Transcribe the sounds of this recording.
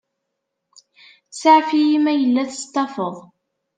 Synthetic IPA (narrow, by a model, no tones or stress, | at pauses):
saʕfijimæjəlːæθə̥st̪ːɑfəðˤ